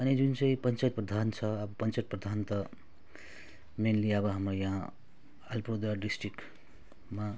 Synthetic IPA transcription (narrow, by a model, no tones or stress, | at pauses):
ʌnid͡zunt͡sʌ̃ĩpʌnt͡sajt̪̚prʌd̪ʱant͡sʰʌːbʌpʌnt͡sajt̪̚prʌd̪ʱant̪ʌ | menliʌbʌɦamrʌjã | ʌlpod̪ɾaɖisʈrik | ma